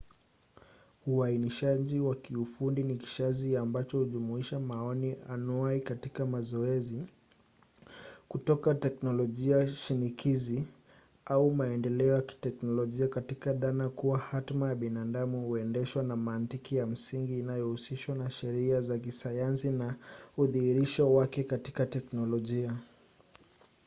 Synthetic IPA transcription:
uainiʃaʄiwakiufundiniki̥ʃaziambat͡ʃɔhuʄumuiʃamaɔnianuaikatikamazɔɛzi | kutɔkatɛknɔlɔʄiaʃinikʰizi | aumaɛndɛlɛɔjaki̥tɛknɔlɔʄiakatikaðanakuwahatmajaɓinadamuhuɛndɛʃwanamaːntikijam̩siŋɡiːnajɔhusiʃwanaʃɛɾiazakisajansinauðihiɾiʃɔwakɛkatikatɛknɔlɔʄia

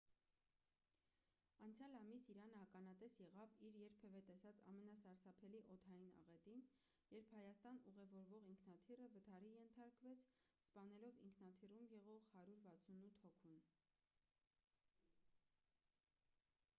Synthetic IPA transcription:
ɑnt͡sʰjɑlɑmisiɾɑnəhɑkɑnɑt̪ɛsjɛʁɑviɾjɛɾpʰɛvɛt̪ɛsɑt͡sɑ̰mɛnɑsɑɾsɑpʰɛliʔɔt̪ʰɑjinɑ̰ʁɛt̪in | jɛɾpʰhɑjɑst̪ɑnuʁɛvɔɾvɔʁiŋkʰnɑt̪ʰirəvət̪ʰɑɾijɛnt̪ʰɑɾkvɛt͡sʰspɑnɛlɔvḭŋkʰnɑt̪ʰirumjɛʁɔʁhɑɾuɾvɑt͡sʰunut̪ʰhɔkʰun

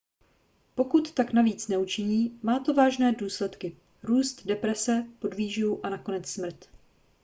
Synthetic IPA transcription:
po̞kut̪ːaknaviːt͡snɛut͡ʃɪɲiːmaːt̪o̞vaːʒnɛːduːslɛt̪kɪ | ɾuːst̪dɛpɾɛsɛpo̞dviːʒjuʔanako̞nɛt͡ssmr̩t̪

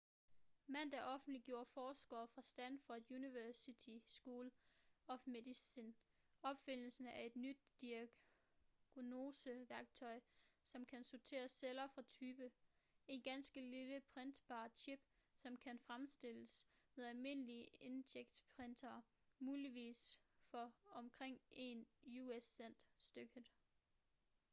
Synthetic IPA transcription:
mæn̰d̥ɑʔɒ̽fn̩d̥liɡ̥jo̝ːɐfɒːsɡ̥ɐːfʁɑ̈sd̥ænfɒd̥juniʋæɐsit͡sʰisɡ̥uːlɒ̽fmedisin | ɒ̽b̥fen̰l̩sn̩æɐe̝d̥nyd̥̚ːiæ | ɡ̥no̝ːsəʋæɐɡ̥̚t͡sʰɒ̽ɪsɒ̽mkʰænsot͡sʰe̝̰ːɐsːelɐfʁɑ̈t͡sʰyːb̥ə | e̝nɡ̥ænsɡ̥əliləpʰʁend̥b̥ɑ̰̈ːt͡sʰib̥sɒ̽mkʰænfʁamsd̥e̝l̰əsmeðˠælme̝nəliəe̝ndʰeɡ̥̚d̥pʰʁend̥ʰɐː | muːliʋḭːsfɒ̽ɒ̽mkʰʁeŋ̰e̝njuesen̰d̥sd̥øɡ̥əð̩ˠ

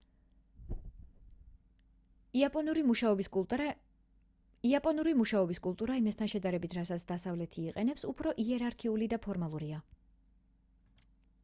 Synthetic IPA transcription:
pʼɔuɾimʃaɔb | iapʼɔnuɾimuʃaɔbiskʼulˠt̪ʼuɾaimast̪ʰanʃɛd̪aɾɛbit̪ʰɾatsat̪sʰd̪asavlɛt̪ʰiːqʼɛnɛpsupʰɾɔʔiɛɾaɾkʰiulid̪apʰɔɾmalˠuɾia

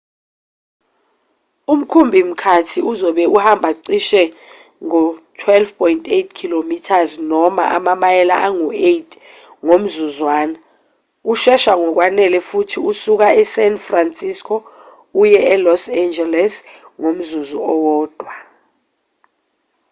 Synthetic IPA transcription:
um̩kʰumbʱim̩kʰatʰiuzɔɓɛuhambʱaǀiʃɛ | ŋɔtʰwɛlvpʰɔjntʰʼetʰkʰilomitʰaznɔma̰ʔa̰mamajɛla̰ʔaŋuetʰʼ | ŋom̩zuzwaːna | uʃɛʃaŋɔk̬wanɛlɛfutʰiusuk̬aɛsɛnfransʼiskʰɔ | ujɛɛlɔsɛnd͡ʒɛlɛs | ŋom̩zuzuɔwɔːd̥ʱwa

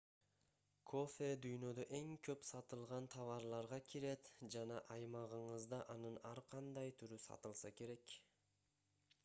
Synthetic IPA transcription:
kʰofʲed̪yjnø̞d̪øʔe̞ŋkʰø̞psɑt̪ɯlˠʁɑnt̪ʰɑvɑɾlˠɑɾʁɑkʲʰiɾe̞t̪d͡ʒɑnɑʔɑjmɑʁɯɴɯzd̪ɑʔɑnɯnɑɾqʰɑnd̪ɑjt̪ʰyɾysɑ̰t̪ɯlˠsɑke̞ɾe̞k

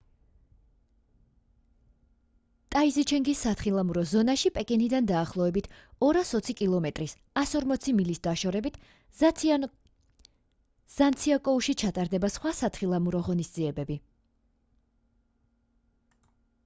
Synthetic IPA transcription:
t̪ʼaizit͡ʃʰɛŋɡisːat̪ʰχilˠamuɾɔzɔnaʃipʼɛkʼɛnid̪and̪aːχlˠɔɛbit̪ʰɔɾasɔt̪sʰikʼilˠɔmɛt̪ʼɾis | asɔɾmɔt̪sʰimilisd̪aʃɔɾɛbit̪ʰ | z̥ant̪sʰiakʼɔuʃit͡ʃʰat̪ʼaɾd̪ɛbasχwasat̪ʰχilˠamuɾɔʁɔnisd̪ziɛbɛbi

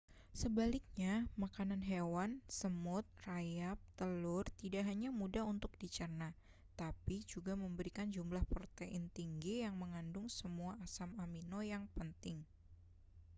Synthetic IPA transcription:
səbalɪk̚ɲamakananɦewansəmʊt̪̚rajap̚t̪əlʊrt̪idaʔɦaɲamudaɦunt̪ʊk̚d̥it͡ʃərna | t̪apid͡ʒuɡaməmbəɾikand͡ʒumlahpɔrt̪eʔɪnt̪iŋɡijaŋməŋandʊŋsəmuaasamaminojaŋpənt̪ɪŋ

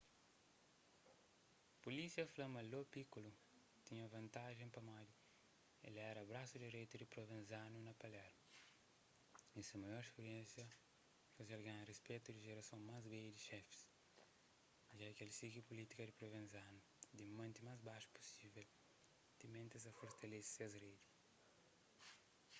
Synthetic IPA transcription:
pulisjɐflɐmɐlopikulu | t̪iɲɐvɐ̃nt̪aʒẽŋpɐmali | ḛlɛɾɐbɾasud̪iɾejt̪ud̪ipɾovẽnzanunɐpɐlɛɾmɐ | ĩsɐmɐjɔɾskuɾiɛ̃nsjɐ | faziɐlɡẽɐrespet̪ud̪iʒeɾɐsõŋmazbejd̪iʃɛfi̥s | ʒakelsiɡipulit̪i̥kɐd̪ipɾovẽnzanu | d̪imɐ̃nt̪imazbaʃu̥pu̥sivel | d̪̥imẽnt̪ezɐfoɾt̪ɐlessiɐzred̪i

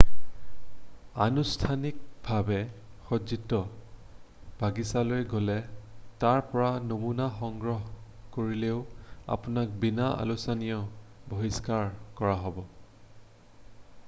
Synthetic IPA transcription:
anustʰanik̚bʱabɛxɔzitɔ | b̥ʱaɡisalojɡolɛtaɹpɔɹanomunaxɔŋɡɹɔɦkoɹileʊa̰punak̚binaa̰lusanijɔboɦiskaɹkɔɹaɦɔbɔ

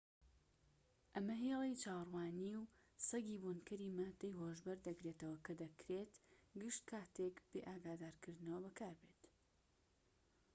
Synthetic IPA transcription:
ʔɐmɐɦelˠejt͡ʃaːwrwaːniw | sɐɡiːbunkɐɾiːmad̪ɐjɦoːʒbɐɾd̪ɐkɾet̪ɐwɐkɐd̪ɐkʰɾet̪ɡɨʃt̪kʰaːt̪ekb̥eːʔaːɡaːd̪aːɾkɨɾd̪ɨnɐwɐbɐkʰaːɾbeːt̪

